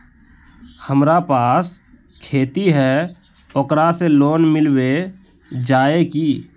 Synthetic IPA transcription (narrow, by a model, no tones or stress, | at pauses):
həmɾapaːs | kʰeːt̪iɦɛ | okɾaseloːnmɪlwe | d͡ʒaːeki